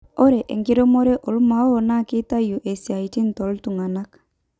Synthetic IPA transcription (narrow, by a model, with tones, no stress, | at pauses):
ɔ˦ɾɛ˨ʔḛ˨ŋɡi˦ɾo˦mo˦ɾe˦ʔɔ˨lu˦ma˨˦o˦o˨na˦˨ki˦ta˦ju˨ʔe˨si˨a˨i˨ti˦n˨tɔ˨ltu˨ŋa˨na˦k